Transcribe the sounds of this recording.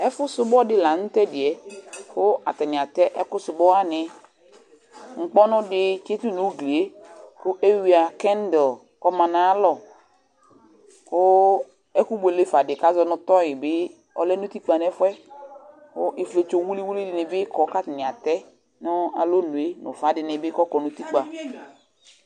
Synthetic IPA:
ɛ˦fʊ˦sʊ˦bɔ˦dɪ˦la˨n̩˦tɛ˦dɪ˨ɛ˨kʊ˦a̰˨t̪ɛ˨nɪ̃˨a˨t̪ɛ˦ʔɛ˦kʊ˦sʊ˨bɔ˦a˦nɪ˨ | ŋ̩˨k͡pɔ˦nʊ̃˦dɪ˦t͡ʃe˦tu˦nu˨˦ɡli˨e˦kʊ˦ʔe˦wi˨a˨kɛ˦n˦dɔ˨ | kɔ˦mã˨na˨˦lɔ˨ | kʊ˦ | ɛ˦ku˦be˨le˦fa˨dɪ˨ka˦zɔ˨nʊ˨t̪ɔ˦jɪ˨bɪ˦ | ɔ˨lɛ˦nʊ˦t̪i˦k͡pa˨nɛ˦fɛ˦ | kʊ˦ʔɪ˨fle˨t͡ʃo˨˦wu˦li˦wu˦li˦dɪ˨nɪ˨bɪ˦kɔ˨˦ka˦t̪ɪ˨nɪ̃˨a˨t̪ɛ˦ | nɔ˦a˨lo˦nu˨e˦nʊ̰˨fa˨˦dɪ˨nɪ˨bɪ˦kɔ˦kɔ˨nʊ˦t̪i˦k͡pa˨

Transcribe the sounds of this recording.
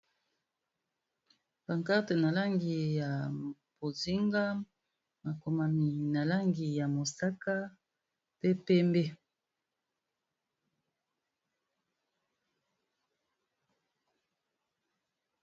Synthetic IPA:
ba˨ŋka˦te˨na˨la˦ŋɡi˨ja˨ | bo˨zi˦ŋɡa˦ | ma˨ko˨ma˨mi˨na˨la˦ŋɡi˨ja˨mo˨sa˦ka˦ | pe˦pɛ˦mbe˦

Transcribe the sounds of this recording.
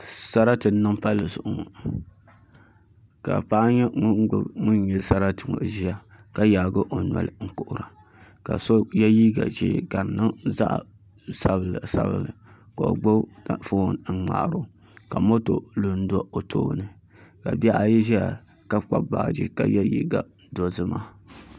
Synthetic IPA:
sa˦ɾa˦tɨ˨n˦nːɨ˦ŋpa˦lːɨ˨zʊ˨ʔʊ˨ŋɔ̰˨ | ka̰˨pa˦ɲɛ˦ŋ˦ŋu˦n˦jɛ˨lsa˦ɾa˦tɨ˨ŋo̰˨ʒi˦a˨ | ka˦jaː˨ɡɨ˦ʔo˨n˨ɔ̰˨lɨ˨ŋ̩˦˨kʊ˨ʔʊ˨ɾa˨ | ka̰˨so˦jɛ˦jiː˦ɡa̰˨ʒḭ˦˨ɡa˨nːɨ˦za̰˦ʔ | sa˦bɨ˨lsa̰˦bɨ̰˨lɨ˨ | ka˨o̰˨ɡ͡bo˦˨fo˦˨n̩˦ŋ͡ma̰˨ʔa˨ɾo˦ | ka˨mo˦to˨lu˨n̩˦dɔ˦o˨tʰo̰ː˦nɨ˨ | ka˨ba˦ʔa˨ji˦ʒi˦a˨ | ka˦k͡pa˦ba̰ː˨d͡ʒḭ˦ka˨ja˦jḭ˦ɡa˨ | do˦zɨ˦ma˦

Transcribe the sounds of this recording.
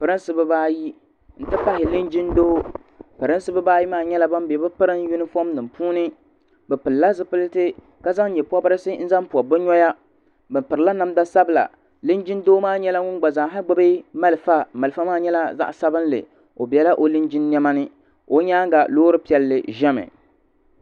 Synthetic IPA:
pɨ˨ɾɨ˦n˦sɨ˦bɨ˦baː˦ji˦ | n̩˨tɨ˦pa˦hɪ˨lɨ˦nd͡ʒi˦ndoː˦ | pɨ˨ɾɨ˦n˦sɨ˦bɨ˦baː˦ji˦maː˦˨ɲɛ˦la˦ba˦m˦be˨bɨ˦pɨ˦ɾɨ˦ŋ˦ju˦nɨ˦fo˦mnɨ˨mpuː˦nɨ˦ | bɛ˨pɨ˨lla˦zɨ˦pɨ˦ltɨ˦ | ka˦za˦ŋ˦ɲɛ˨pu˦ɔ˦bɨ˦ɾɨ˦sɨ˦n̩˦za˦mpu˨a˨bɨ˦ɲɔ˦ja˦ | bɨ˨mpɨ˨ɾɨ˨la˦na˦mda˦sa˦bla̰˨ | lɨ˦nd͡ʒɪ˦ndoː˦maː˦ɲɛ˦la˦ŋʊ˦nɡ͡ba˨za˨ɦɪ˦ɡ͡bɨ˦bɨ˦ma˦lfa˦ma˨lɨ˨fa˦maː˦˨ɲɛ˦la˦za̰˦ʔsa˦bɨ˦n˦lɨ̰˨ | o˨bi˨ɛ˨˦la˦ʔo˦lɨ˦nd͡ʒɪ˦nːɛ˦ma˦nɨ˦ | o˦ɲaː˦ŋɡa˨loː˦ɾɨ˦pi˨ɛ˨lːɨ˨ʒɛ˦mɨ̰˨

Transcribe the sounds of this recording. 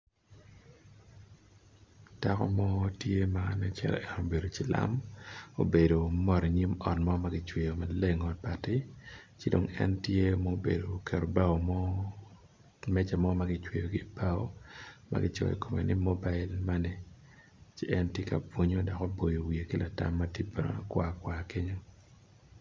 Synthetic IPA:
d̥a˦kɔ̰˦mɔ˦tje˦ma˦nɛ˦t͡ʃɛ̰˨ɾɛ̰˨ʔɛ˨no˨be˨do˨t͡ʃɪ˦la̰˦mo̰˨be˨do˨mɔ˦ɾi˨ɲi˦mɔ˨nmɔ˦ma˦ɡɪ˦t͡ʃwe˨jo˨ma˦le˦ŋɔ˨d̚pa˨tɪ˦t͡ʃɪ˦do˨ŋɛ̰˦ntje˦mo˦bḛ˨do˨kʰɛ˨ɾo˨ba˦o˨m˦ | mɛ˦t͡ʃa˨mɔ˦ma˦ɡɪ˦t͡ʃwe˨jo˨ɡɪ˦b̥a˦o̰˦ma̰˦ɡɪ̰˦t͡ʃɔ̰˨ḭ˨ko˨mḛ˨nɪ˦mo˦ba˦ɪ˦lma˦nɛ˨ | t͡ʃɪ˦ʔɛ˦ntje˦ka̰˨pwo˦ɲo˦dɔ˨kɔ˦bo˨jo˨wi˨e˨ki˦lʔa˨ta̰˦mːa˦tji˦be˨no̰˨kwa˦kwa˨ke˦ɲo˦

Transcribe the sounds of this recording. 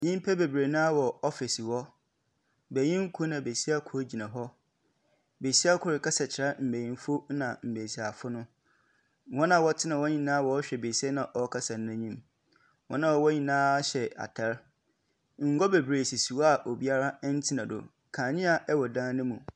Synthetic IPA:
ɲĩ˦m˦pʰɛ˦be˨bɾe˨nʊ̃˦a˦wɔ˨ɔ˦fɪ˨swɔ˦ | be˨ɲĩ˦ŋ̩˦kʰu˦nã˨be˨si˦a˦kʰʊ˦ɾd͡ʑi˨nã˨ɦɔ˦ | be˨si˦a˦kʰʊ˨ɾɪ˨ka˦sɛ˨t͡ɕʰɪ˨ɾa˦m̩˨be˨ɲĩ˨n˦fo˦nã˨m̩˨be˨si˨a˨fʊ˦nʊ̃˦ | wɔ̃˦nã˨wɔ˦tʰɪ˦nã˨wɔ˦ɲĩ˨nã˦˨wɔ˨ɔ˦ɕᶣɛ˨be˨si˦ɛ˦nã˨ʔɔ˨˦kʰa˦sa˨n˦ã˦ɲĩ˦m | wɔ̃˦nã˦ɔ˨wɔ˦ɲĩ˨nãː˦ɕɛ˨a̰˨tʰɛ˨˦ɾ | ŋ̩˨ɡɔ˦be˨bɾeː˨si˨si˨wɔ˦a˨ʔo˨bi˦a˦ɾa˦n̩˦tʰɪ˦nã˨dʊ̰˨ | kʰãː˨ɲɪ̃˦a˨ʔɛ˦wɔ˨dãː˦nɪ̃˦mũ˨

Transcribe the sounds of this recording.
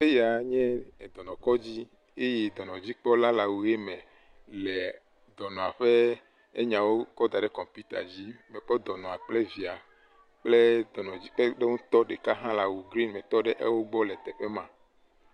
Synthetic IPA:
e˦ja˨ɲɛ̃˦e˨d̪ɔ˨nɔ̃˨kɔ˦d͡ʑi˦ | e˦jɛ˨d̪ɔ˨nɔ̃˨d͡ʑi˦k͡pɔ˦la˦la˨wu˨je˦mɛ̃˨ | lɛ˨ | d̪ɔ˨nɔ̃˨a˨ɸe˦ | e˦ɲã˨wo˦kɔ˦d̪a˨ɖe˦kɔ˨mpi˦t̪a̰˨d͡ʑi˦mɛ˨k͡pɔ˦d̪ɔ˨nɔ̃˨a˨k͡ple˦vi˨a˨ | k͡ple˦d̪ɔ˨nɔ̃˨d͡ʑi˦k͡pe˦ɖe˦ŋũ˦t̪ɔ˦ɖe˨ka˦ɦã˦la˨wu˨ɡɾi˦nmɛ̃˨t̪ɔ˦ɖɛ˦ʔḛ˦wo˦ɡ͡bɔ˦lɛ˨t̪ɛ˨ɸe˦mã˨

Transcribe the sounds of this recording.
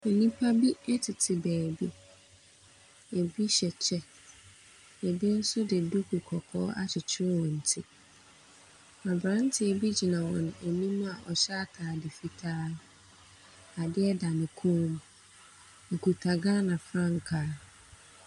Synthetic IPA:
ɛ˨nĩ˦pʰa˦bi˦ɛ˦tʰɪ˨tʰɪ˨bæː˨bi˦ | e˨bi˦ɕɛ˨t͡ɕʰɛ˦ | e˨bi˦n̩˦sʊ˦dɪ˨du˦kʰu˨kʰɔ˨kʰɔː˦a˦t͡ɕʰɪ˨t͡ɕʰɪ˦ɾɪ˦wɔ̃˨n̩˨tʰɪ˦ | a˨bɾã˦n˦tʰɪ˨e˨bi˦d͡ʑi˨nã˨wɔ̃˨ñ˨e˨nĩ˦mũ˦a˨ʔɔ˨ɕɛ˦a˦tʰaː˨dɪ˨fi˨tʰaː˦ | a˨dɪ˦ɛ˦da˨nɪ̃˨kʰũː˦m˦ | e˨ku˨tʰa˨ɡa˦nã˨fɾã˦ŋ̩˨kʰaː˦

